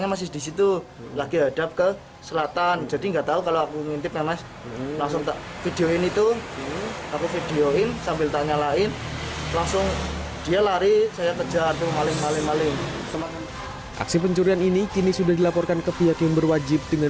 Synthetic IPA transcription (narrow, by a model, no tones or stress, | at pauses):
ɲamas̬ɪhdisit̪u | laɡiɦad̥ap̚kə | səlat̪and͡ʒadiŋɡat̪aukaloakuŋint̪ɪp̚mema | laŋs̬ʊŋt̪a | fideoɪnit̪u | akufideoɪnsambɪlt̪aɲalaɪnlaŋsʊŋd̥ialaɾisajat̪ə̥d͡ʒart̪umalɪŋpalɪŋmalɪŋ | ʔa̰ksipəɲt͡ʃuɾianinikinisudahdilapɔrkankəfiɦakjaŋbərwad͡ʒɪp̚d̥əŋa